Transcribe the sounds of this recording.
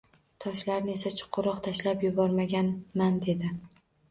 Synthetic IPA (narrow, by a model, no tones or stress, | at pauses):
t̪ʰɒʃlaɾnɪe̞sat͡ʃʰʊ̥qʰːʊɾɒqt̪ʰaʃlapjʊbɒɾmaɡʲanmand̪e̞d̪ɪ